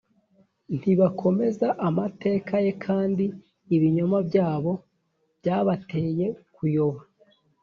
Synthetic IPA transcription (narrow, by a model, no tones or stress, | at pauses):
n̥hiβakʰo̞me̞zaʔamate̞ːkʰaje̞kʰaːndiː | βiɲomabɟaːβo̞ | b̥ɟaːβate̞ːje̞kujo̞βa